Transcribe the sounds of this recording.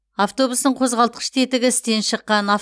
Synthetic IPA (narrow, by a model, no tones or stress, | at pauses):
aft̪o̞busnəɴqʰo̞zʁɑlˠt̪əqʰə̥ʃt̪ʰe̞t̪ɪɡʲɪɪst̪e̞nʃəqːɑna